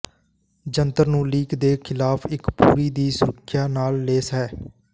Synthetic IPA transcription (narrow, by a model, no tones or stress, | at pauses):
d͡ʒənt̪əɾnũːliːkd̪eːkʰɪlaːpʰɪkpṵːɾiːd̪iːsʊɾəkʰjaːnaːlːeːsɛː